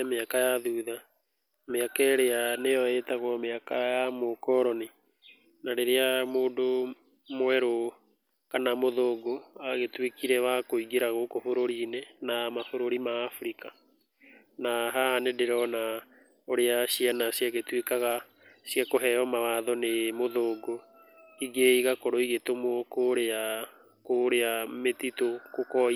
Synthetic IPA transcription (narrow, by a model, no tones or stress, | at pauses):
meakajaðuːða | meakɛɾeanejɔetaɣɔmeakajamokɔɾɔne | naɾeɾeamoːdo | mwɛɾo | kanamoðoːɡoaɣetwekiɾɛβakoiɣiɾaɣokofoɾoɾinɛnamafoɾoɾimaːfɾika | naɦaanedeɾɔna | oɾeaɕianasjaɣetwekaɣa | sjakoɦɛjɔmawaðɔnemoðoːɡo | iɡeiɣakɔɾɔiɣetomokoɾea | koɾeametitokokɔi